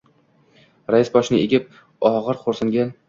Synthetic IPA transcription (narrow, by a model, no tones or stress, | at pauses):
ɾajɪsbɒʃnɪeɡʲɪp̚ | ɒʁɨɾqʰoɾsɪŋɡʲan